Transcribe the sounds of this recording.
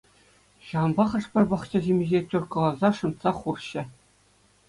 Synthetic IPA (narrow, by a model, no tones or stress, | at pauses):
ɕɑɤ̆nbɑχɤ̆ʂpʲɘ̆rʲbɑχt͡ɕɘ̆ʑemʲiʑʲetʲorkɤ̆lˠɑzɑʂɤ̆nt̪sɑχurɕɘ̆